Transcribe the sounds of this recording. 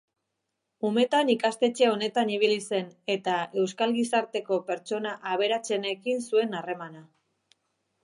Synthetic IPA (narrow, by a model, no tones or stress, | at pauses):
ume̞t̪anikast̪e̞t͡ʃeo̞ne̞t̪aniβ̞ilise̞ne̞t̪ae̞wskalɣisaɾt̪e̞ko̞pe̞ɾt͡ʃo̞naʔaβ̞e̞ɾat͡se̞ne̞kinsue̞nare̞mana